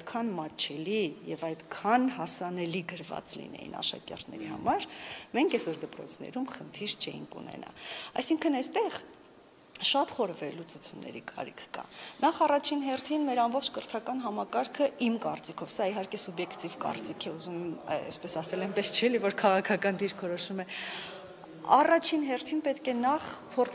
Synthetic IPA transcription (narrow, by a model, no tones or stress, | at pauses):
jt̪kʰɑnmɑt̪t͡ʃʰɛlijɛvɑjd̪kʰɑnhɑsɑnɛliɡəɾvɑ̰t͡slḭnɛ̰jḭnɑ̰ʃɑ̰kɛ̰rt̪ʰnɛ̰ɾihɑ̰mɑɾmɛŋkʰɛsɔɾd̪əpɾɔ̰t͡sʰnɛ̰ɾumχənt̪ʰiɾt͡ʃʰɛ̰jḭŋkṵnɛ̰nʔɑ̰ɑ̰jsiŋkʰənɛjst̪ɛʁ | ʃɑt̪χɔɾəvɛɾlut͡sut͡sʰjunːɛ̰ɾikʰɑ̰ɾikʰːɑ̰nɑχɑrɑt͡ʃʰinɦɛrt̪ʰinmɛɾɑmbɔχt͡ʃʰkəɾt̪ʰɑkɑn̪ɦɑmɑkɑɾkʰəʔimkɑrt͡sikʰɔvsɑiɦɑɾkɛsubjɛkt̪ivkɑ̰rt͡sikʰɛuzumɛmɛ̰spɛsɑsɛlɛjmpɛst͡ʃʰɛlivɔɾkʰɑʁɑkʰɑkɑnd̪iɾkʰɔɾɔʃumɛ | ɑ̰rɑt͡ʃʰinɦɛrt̪ʰinpɛt̪kɛnɑχpʰɔɾt͡sʰ